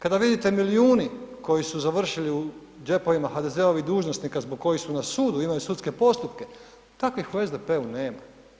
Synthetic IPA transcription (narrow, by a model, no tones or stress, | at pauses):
kad̪aʋid̪it̪e̞miliuːniko̞jisuzaʋr̩ʃiliu | d͡ʒe̞po̞ʋimaxad̪e̞ze̞o̞ʋid̪uːʒnosnikazboɡ̚kːo̞jisunasuːd̪uimajusut̪ske̞po̞st̪upke̞ | t̪akʋixuezd̪e̞pe̞une̞ːma